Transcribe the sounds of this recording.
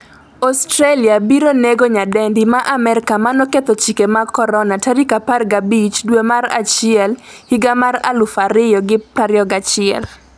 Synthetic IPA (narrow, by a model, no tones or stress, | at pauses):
ɔstɾaliabiɾoneɡoɲadɛndimaʔamɛɾɪkamanɔket̪ɔt͡ʃikemakɔɾɔnataɾikaparɡabit͡ʃdwemaɾa̰t͡ʃɪɛlhiɡamaɾa̰lʊfaɾɪjɔɡɪpɾaɾjɔɡat͡ʃɪɛ̰l